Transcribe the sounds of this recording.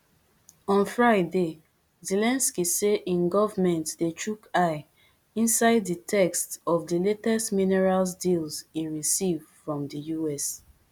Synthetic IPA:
ɔ̃nfɹaɪde | zelɛ̃nskiseʔĩnɡɔvmɛ̃ntdetʰɹukaɪ | ĩnsaɪdːitʰɛkstɔvdiletɛstminɛɹalsdilzĩnɹisivfɹɔ̃mdijuɛs

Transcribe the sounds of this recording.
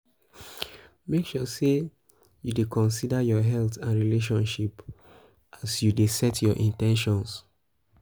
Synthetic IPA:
mekʃɔse | judekʰɔ̃nsidajɔɦɛltãnɹileʃ̬ɔ̃nʃip | ʔasjudesɛtʰjɔʔĩntɛ̃nʃɔ̃ns

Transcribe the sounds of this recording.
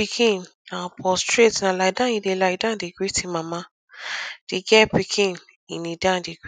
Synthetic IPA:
ikʰĩn | ãpʰɔstɾetnãlaidãĩdelaidãdeɡɾitimãmã | d̥iɡɛpikʰĩn | inĩdãdeɡi

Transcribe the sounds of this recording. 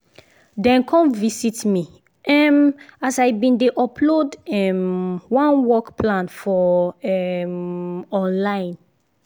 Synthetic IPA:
dɛ̃nkʰɔ̃mvisitmi | ʔɛmasaɪbĩndeʔɔpʰlodɛmwãnwɔkpʰlãnfɔɛ | ɔ̃nlãɪ̃n

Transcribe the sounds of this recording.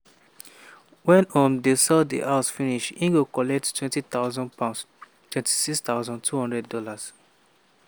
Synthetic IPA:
wɛ̃nɔ̃mdesɛlddḭʔaʊsfiniʃĩŋɡokɔlɛk̚ttʰwɛ̃ntit̪aʊzɔ̃npʰãʊ̃ns | twɛ̃nti̥sikst̪aʊzɔ̃ntʰuhɔ̃ndɹɛddɔlas

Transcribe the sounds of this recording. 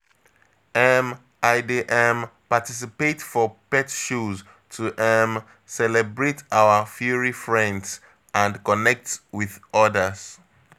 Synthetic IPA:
ɛm | aɪdeʔɛ̃mpatis̬ipetfɔpɛtʃuz | tʰuʔɛm | sɛlɛbɹetaʊəfjɔɹifɹɛ̃nds | ʔãnkɔnɛk̚twiðɔdəz̥

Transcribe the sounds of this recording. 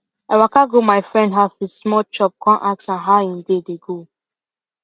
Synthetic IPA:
awakaɡomaɪfɹɛ̃ndɦavismɔt͡ʃɔp̚kʰɔ̃nʔak̚sãnɦaĩndedeɡo

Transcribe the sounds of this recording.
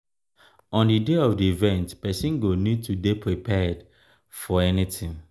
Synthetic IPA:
ɔ̃ndideɔfdiivɛ̃ntpɛsĩnɡonid̚tʰudepʰɹipʰɛd | fɔɛnitĩŋ

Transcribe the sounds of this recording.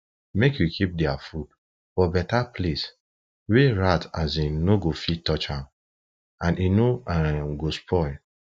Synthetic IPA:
mekjukʰip̚dɛafud | fɔbɛtaples | weɾatazinoɡofitːɔt͡ʃãm | ãnʔinoaaɡospʰɔɪl

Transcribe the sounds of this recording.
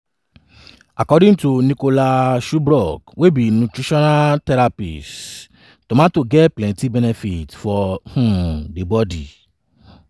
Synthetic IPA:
akɔdĩŋtunĩkolaʃubɾɔɡwebinũtɾiʃɔnatɛɾapḭs | tõmãtoɡɛplɛ̃tibɛnɛfitfɔhũdebɔdi

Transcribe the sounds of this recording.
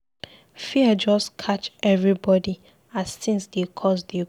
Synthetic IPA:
fiad͡ʒɔskʰat͡ʃɛvɹibɔdi | azsĩnsdekʰɔs̬de

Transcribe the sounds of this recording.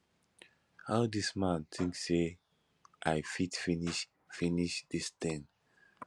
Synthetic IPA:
haʊdismãnt̪ʰĩŋksse | ʔaɪfitfiniʃ | finiʃdistĩn

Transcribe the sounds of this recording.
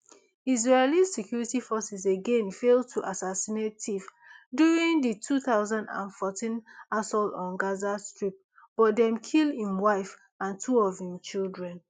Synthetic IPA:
iz̬ɹelissɛkʰjuɹitifɔsɛzeɡẽnfel̚tʰuʔasasinetʰif | djuɹĩŋditʰuθaʊzãndã̰nfɔtʰĩnasɔltɔ̃nɡazastɹip̚ | b̥ɔt̚dɛ̃mkʰilĩmwaɪf | ãntʰuɔvĩmt͡ʃildɹɛ̃n

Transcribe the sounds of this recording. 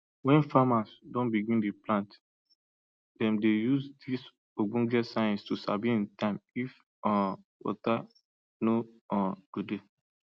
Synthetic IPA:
wɛ̃nfamasdɔ̃nbiɡĩndiplãnt | dɛ̃mdejusdis | oɡũɡɛtsaj̃nstusa̰viĩntãɪ̃mif | ɔ | wɔ̰ta | no | ɔɡ̥ude

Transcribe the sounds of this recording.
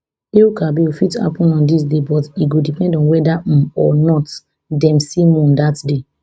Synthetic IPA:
eukabiufitha̰pɔ̃nɔ̃ndis̬debɔtiɡodipɛ̃ndɔ̃nwɛdãɔnɔt | dɛ̃msimɔ̃ndatde

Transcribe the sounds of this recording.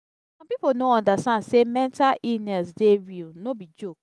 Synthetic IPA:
sɔ̃mpiponoɔ̃ndastãndsemɛ̃ntalʔinɛsdeɹilnobid͡ʒok

